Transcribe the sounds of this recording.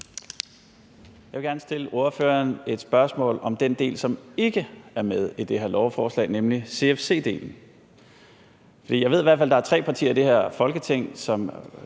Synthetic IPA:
jɑʋe̝ɡæɐnəsd̥e̝ləʔo̝ɐfø̰ːɐne̝d̥sb̥ɶɐsmɔ̰̽ːlɒ̽md̥end̥e̝̰ːlsɒ̽me̝ɡ̥əæɐmeð̞ˠid̥e̝heɐlɒʊfɒːslɛ̰ːɪnemlise̝efse̝̰ːd̥e̝̰ːln̩ | fɒd̥ḭːjaɪe̝iʋæɐdfæld̥ɑ̈æɐt͡sʰʁɛ̰ːpʰɑ̈t͡sʰḭːɐid̥e̝heɐ̰fɒ̽lɡ̥ət͡sʰe̝ŋ̰sɒ̽m

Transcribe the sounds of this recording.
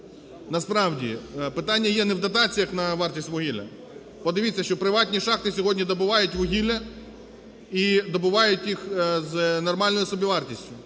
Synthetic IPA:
nɐspɾɑwdʲḭpɪt̪ɑnʲːɐjɛnɛwd̪ɐt̪̬ɑt͡sʲijɐxnɐʋɑrtʲisʲtʲʋʊɦʲilʲɐ̰ | pɔd̪ɪʋʲit͡sʲːɐʃt͡ʃɔpɾɪʋɑtʲnʲiʃɑxt̪ɪsʲɔɦɔdʲnʲid̪ɔbʊʋɑjʊtʲʋʊɦʲilʲɐ | id̪ɔbʊʋɑjʊtʲjixznɔrmɑlʲnɔjɪsɔbʲiʋɑrtʲisʲtʲʊ

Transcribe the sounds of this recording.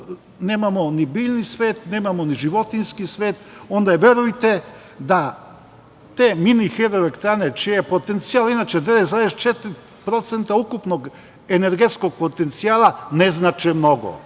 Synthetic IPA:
neːmamonibiːʎnisʋeːt̪neːmamoniʒiʋo̞t̪inskisʋeːt̪o̞nd̪aʋʲje̞ɾujt̪e | d̪a | t̪eːminixeɾoelekt̪ɾanet͡ʃijejepo̞t̪ent̪siaːlinaːt͡ʃed̪eʋezaɾest̪t͡ʃet̪ɾi | pɾo̞t̪sent̪aukupnoɡ | eneɾɡet̪skoɡ̚pot̪ent̪siaːlaneznat͡ʃɛmno̞ɡo̰

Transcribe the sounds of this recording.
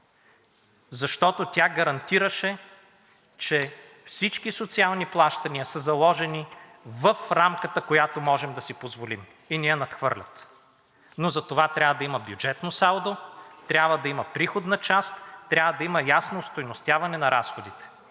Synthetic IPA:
zɐʃt̪ɔt̪ot̪ʲaɡɐɾɐnt̪iɾəʃɛ | t͡ʃɛ | fsit͡ʃkisot̪sialˠniplˠaʃt̪ɐniəsəzɐlˠɔʒɛni | vəfɾamkət̪əkojat̪omɔʒɛmd̪ɐsipozvolim | inijɛnɐt̪xvɤ̰ɾlʲɐt̪ | nozɐt̪ovat̪ɾʲabvəd̪ɐimɐbjud͡ʒɛt̪nosalˠd̪ot̪ɾʲabvəd̪ɐiməpɾixod̪nət͡ʃast̪ːɾʲavəd̪ɐiməjasnoːst̪ojnost̪javɐnɛnɐɾasxod̪it̪ɛ̥

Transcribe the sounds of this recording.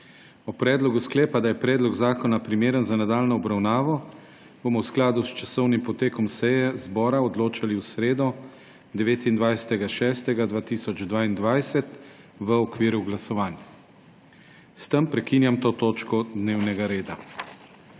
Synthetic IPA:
ɔpɾɛːd̪lɔɡusklɛːpad̪ajɛpɾɛːd̪lɔɡzaːkɔnapɾimeːɾənzanad̪aːlnɔɔbɾawnaːʋɔ | b̥omɔwsklaːd̪ust͡ʃasɔwnimpɔt̪eːkɔmsɛjɛzbɔːɾaɔd̪loːt͡ʃaliwsɾeːd̪ɔ | d̪ɛʋeːt̪ind̪ʋajsɛ̥t̪ɛɡaʃɛːst̪ɛɡad̪ʋaːt̪iːsɔd͡ʒd̪ʋaːind̪ʋajsɛt̪ | ʋəɔkʋiːɾuɡlasɔʋaːnja | st̪əmpɾɛkiːnjamt̪oːt̪oːt͡ʃkɔd̪neːwnɛɡaɾeːd̪a

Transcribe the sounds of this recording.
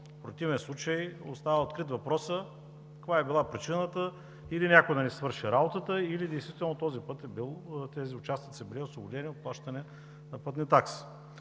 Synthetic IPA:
pɾot̪ivɛnslˠut͡ʃəjo̰st̪avəot̪kɾit̪vɐpɾɔsə | kvaɛbilˠapɾit͡ʃinət̪ə | ilinʲakod̪ɐnɛsvɤɾʃiɾabot̪ət̪əilid̪ɛjst̪vit̪ɛlˠnot̪ɔzipɤt̪ɛbilˠt̪ɛziʊt͡ʃast̪ik̪sɛbiɾɛoslˠoɡʊlɛniot̪̚plˠaʃt̪ɐnɛ | nɐpɤt̪nit̪aksi̥

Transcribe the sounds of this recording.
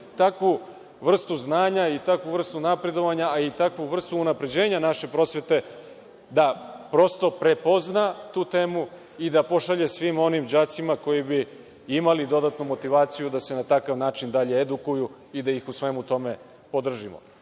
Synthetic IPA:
t̪akʋu | ʋr̩st̪uznaːɲait̪akʋuvr̩st̪unapɾe̞d̪o̞ʋaɲaːit̪akʋuʋr̩st̪uːnapɾe̞d͡ʑe̞ːɲanaʃe̞pɾo̞sʋe̞t̪e̞ | d̪apɾo̞st̪o̞pɾe̞po̞znat̪uːt̪e̞ːmu | id̪apo̞ʃaʎe̞sʋimo̞nimd͡ʑat̪simako̞jibi | imalid̪o̞d̪at̪numo̞t̪iʋaːt̪sijud̪ase̞nat̪akaʋnaːt͡ʃind̪aʎeed̪ukuju | id̪ajixusʋe̞mut̪o̞me̞ | po̞d̪r̩ʒimo̰

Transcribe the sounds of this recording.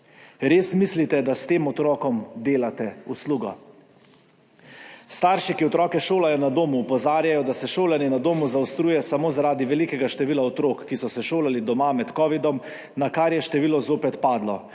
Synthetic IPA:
ɾeːsmislit̪ɛd̪ast̪eːmɔt̪ɾɔːkɔmd̪eːlat̪ɛusluːɡɔ̰ | st̪aːɾʃikiɔt̪ɾɔːkɛʃoːlajɔnad̪oːmuːpɔzaːɾjajɔd̪asɛʃoːlaninad̪oːmuzawst̪ɾuːjɛsamoːzaɾaːd̪iʋɛlikɛɡaʃt̪ɛʋiːlaɔt̪ɾoːkːisɔsɛʃoːlalid̪ɔmamɛt̪kɔːʋid̪ɔm | nakaɾjɛʃt̪ɛʋiːlɔzoːpɛt̪paːd̪lɔ

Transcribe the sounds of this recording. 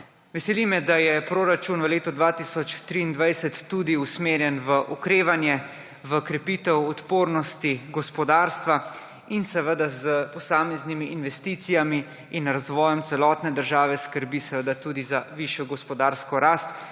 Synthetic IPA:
ʋɛsɛlimɛd̪ajɛpɾoɾat͡ʃunʋəleːt̪ɔd̪ʋaːt̪isɔt͡ʃt̪ɾiːnd̪ʋajsɛt̪ːud̪iusmeːɾjɛnʋəʔɔkɾeːʋanjɛ | ʋəkɾɛpiːt̪ɛwɔt̪poːɾnɔst̪iɡɔspɔd̪aːɾst̪ʋa | insɛʋəd̪azəpɔsaːmeznimiʔːnʋɛst̪iːt̪sijamiː | nɾazʋɔːjɔmt̪sɛlɔːt̪nɛd̪əɾʒaːʋɛskəɾbisɛʋəd̪at̪uːd̪izaʋiʃjɔɡɔspɔd̪aːɾskɔɾaːst̪

